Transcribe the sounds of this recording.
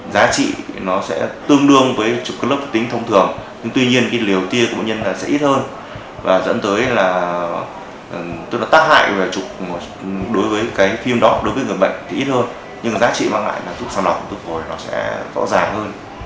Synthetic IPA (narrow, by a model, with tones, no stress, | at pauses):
zaː˨˦t͡ɕḭ˧˨nɔ˨˦sɛ̰˧˥t̪ɨ˧əŋɗɨ˧əŋvəː˨˦jt͡ɕʊ˨˩k͡p̚kːə˦˥lə˦˥p̚fə˨˩t̪ï˨˦ŋ̟t̪ʰə˧wŋ͡mt̪ʰɨ˨˩əŋɲɨ˧ŋt̪wi˧ɲi˧ənkaː˨˦jli˨˩əwt̪i˧əkwɓa̰˧˨ɲə˧nlaː˨˩sɛ̰˧˥ʔi˦˥t̚həː˧n | vaː˨˩zə̰˧˥nt̪əː˨˦jlaː˨˩˨ | t̪o˧jnɔ˨˦t̪aː˦˥k̚ha̰ː˧˨jve˨˩t͡ɕʊ˨˩k͡p̚ | ɗo˨˦jvəː˨˦jkaː˨˦jfi˧əmɗɔ˨˦ɗo˨˦jvəː˨˦jŋɨ˨˩əjɓə̰˧˨ŋ̟t̪ʰi˨˩ʔi˦˥t̚həː˧n | ɲɨ˧ŋ˨zaː˨˦t͡ɕḭ˧˨maː˧ŋla̰ː˧˨jlaː˨˩zu˦˥p̚saː˧ŋla˨˩w̚t̪ɨ˧˥vo˨˩jnɔ˨˦sɛ̰˧˥zɔ̰˧˥wzaː˨˩ŋhəː˧n